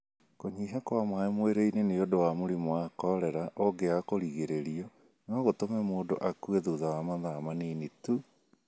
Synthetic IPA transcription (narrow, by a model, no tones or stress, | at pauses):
koɲiːɦakwamwaemweɾeineneodowamoɾimoakɔɾɛɾaʔɔɡeakoɾiɣeɾeɾiɔ | nɔɣotomɛmoːdo̰ʔakweðuðawamaðamanenetu